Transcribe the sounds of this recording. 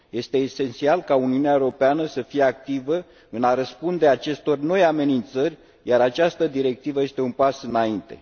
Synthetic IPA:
je̞st̪e̞ːse̞nt̪sialkauniuneaeɾo̞peanəsəfije̞ak̚t̪ivə | ɨnaɾəspund̪e̞at͡ʃe̞st̪o̞rno̞jame̞nint̪sərʲ | jaɾat͡ʃast̪əd̪iɾe̞k̚t̪ivəjest̪e̞unpasɨnaint̪e̞̰

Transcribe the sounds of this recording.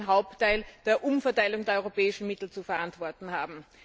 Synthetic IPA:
nɦaʊp̚tʰːaɪld̥eːɐʔʊmfɐtaɪlʊŋdeːɐɔʏʁopɛːɪʃn̩mɪtl̩t͡sufɛɐʔantv̥ɔɐtn̩haːbm̩

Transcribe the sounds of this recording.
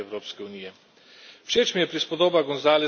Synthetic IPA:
ɛwɾoːpskɛuniːjɛ | wʃeːt͡ʃmijɛpɾispɔd̪oːbaɡɔnzaːlɛ

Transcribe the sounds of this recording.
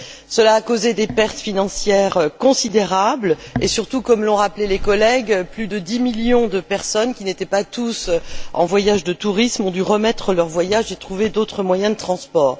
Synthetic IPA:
səlaːkozed̪epɛʁt̪finɑ̃sjɛʁkɔ̃sid̪eʁablesyʁt̪ukɔmlɔ̃ʁaplɛlekɔlɛɡplyd̪əd̪imiljɔ̃d̪əpɛʁsɔnkʲinet̪ɛpat̪usɑ̰̃vwajaʒd̪ət̪uʁismɔ̃d̪yʁəmɛt̪χəlœʁvwajaʒet̪χuved̪ot̪χəmwajɛ̃d̪ət̪χɑ̃spɔːʁ

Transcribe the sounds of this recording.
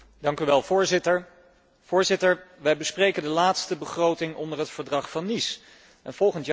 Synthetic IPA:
dɑŋkyʋɛlˠvʊːɹzɪtəɹ | v̥ʊːɹzɪtəɹʋɛjbəsprejkəndəlaːtstəbəχrowtɪŋɔndəɹɦətfəɹdrɑχfɑnːis | ʔɛnv̥ɔlˠχənt

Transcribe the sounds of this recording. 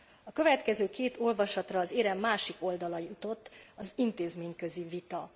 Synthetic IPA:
ɒkø̞vɛt̪kɛzøːkeːt̪o̞lvɒʃɒt̪rɒːzeːɾɛmːaːʃiko̞ld̪ɒlɒjut̪o̞t̪ːɒzint̪eːzmeːɲkø̞zivit̪ɒ

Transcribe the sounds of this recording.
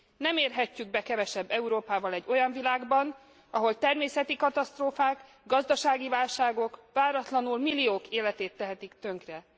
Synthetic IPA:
nɛmeːrɦɛcːyɡ̚bɛkɛvɛʃɛbːɛuɾoːpaːvɒlɛɟːo̞jɒɱvilaːɡbɒn | ɒɦo̞lt̪ɛrmeːsɛt̪ikɒt̪ɒst̪roːfaːk | ɡɒzd̪ɒʃaːɡivaːlʃaːɡo̞kvaːɾɒt̪lɒnulmilːioːkeːlɛt̪eːt̪ːɛɦɛt̪ikt̪ø̞ŋkrɛ

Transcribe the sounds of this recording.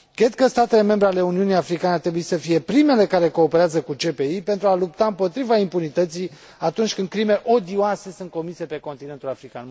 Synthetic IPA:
kɾe̞d̪̚kəst̪at̪e̞le̞me̞mbɾeale̞uniunijafɾikaneart̪ɾebuit̪səfije̞pɾime̞le̞kaɾe̞ko̞ːpeɾeazəkut͡ʃe̞pe̞ipe̞nt̪ɾualup̚t̪aɨmpo̞t̪ɾivaimpunit̪ət̪si | at̪unt͡ʃʲkɨnd̪̚kɾime̞ʔod̪ioase̞sun̚ko̞mise̞pe̞ko̞nt̪inent̪ulafɾika̰n

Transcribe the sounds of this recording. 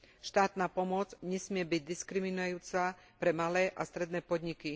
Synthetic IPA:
ʃt̪aːt̪naːpɔmɔd͡zɲɛsmɪɛbiɟd̪iskɾiminuajuːt͡sapɾɛmalɛːʔast̪ɾɛd̪nɛːpɔd̪ɲiki

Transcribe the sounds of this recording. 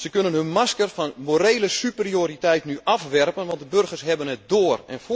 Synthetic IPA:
səkønənønmaskərfɔnmoɾejləsyprioːɾitɛjtnyʔafʋɛrpənʋɔnt̚dəbørɣərsɦɛbənɛt̚doːrɛ̰nf

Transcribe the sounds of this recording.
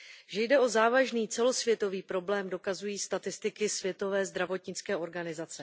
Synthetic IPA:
ʒɛjdɛo̞zaːvaʒniːt͡sɛlo̞svjɛt̪o̞viːpɾo̞blɛːmdo̞kazujiːst̪at̪ɪst̪ɪkɪsvjɛt̪o̞vɛːzd̪ɾavo̞t̪ɲɪt͡skɛːʔo̞ɾɡanɪzat͡sɛ

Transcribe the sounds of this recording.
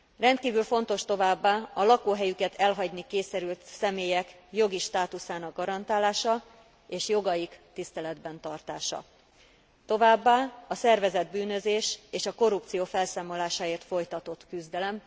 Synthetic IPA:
rɛnt̪kiːvylfo̞n̪t̪o̞ʃt̪o̞vaːbːaːɒlɒkoːɦɛjykɛt̪ʰɛlɦɒɟnikeːsɛɾylt̪sɛmeːjɛk | jo̞ɡiʃt̪aːt̪usaːnɒɡ̚ɡɒɾɒnt̪aːlaːʃɒ | eːʃjo̞ɡɒjikt̪ist̪ɛlɛd̪bɛnt̪ɒrt̪aːʃɒ̰ | t̪o̞vaːbːaːɒsɛrvɛzɛd̪̚byːnø̞zeːʃeːʃɒko̞rup̚t̪sijoːfɛlsaːmo̞laːʃaːeːrt̪fo̞jt̪ɒt̪o̞t̪kyzd̪ɛlɛm

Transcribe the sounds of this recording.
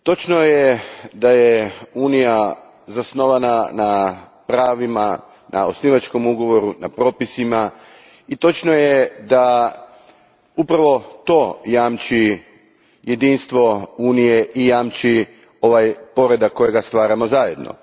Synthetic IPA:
t̪o̞t͡ʃnojed̪ajeuːnija | zasno̞ʋanana | pɾaːʋima | nʔa̰osniʋat͡ʃko̞muɡo̞ʋo̞ɾuna̰pɾo̞ːpisima | it̪o̞t͡ʃnojed̪a | upɾaʋo̞t̪o̞jaːmt͡ʃi | jed̪inst̪ʋo̞uːnije̞ʔijaːmt͡ʃi | o̞ʋajpo̞ɾe̞d̪akkːo̞jeɡast̪ʋaːɾamo̞zaːje̞d̪nʔo̰

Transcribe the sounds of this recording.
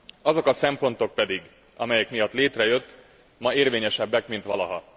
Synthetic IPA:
ɒzo̞kɒsɛmpo̞nt̪o̞k̚pɛd̪iɡ | ɒ̰mɛjɛkmijɒt̪ːleːt̪rɛjø̞t̪ː | mɒeːrveːɲɛʃɛbːɛkmint̪ʋɒlɒɦɒ̰

